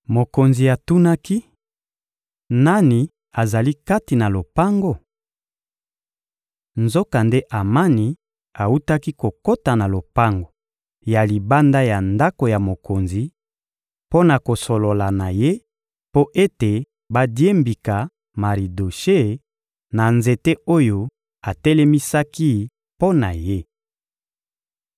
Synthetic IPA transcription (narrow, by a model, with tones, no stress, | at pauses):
mo˨ko˨nzi˨a˨tu˦na˦ki˦ | na˦ni˨ | a˨za˨li˦ka˦ti˨na˨lo˨pa˦ŋɡo˦ | nzo˦ka˨nde˦ʔa˨ma˦ni˨ | a˨u˦ta˦ki˦ko˨ko˦ta˨na˨lo˨pa˦ŋɡo˨ | ja˨li˨ba˦nda˦ja˨nda˦ko˨ja˨mo˨ko˨nzi˨ | po˦na˨ko˨so˨lo˨la˨na˨je˦ | po˦ʔe˦te˨ | ba˦dje˦mbi˨ka˨ | ma˨ʁi˨do˨ʃe˦˨ | na˨nze˨te˦o˦jo˦ | a˨tɛ˦lɛ˦mi˦sa˦ki˦ | po˦na˨je˦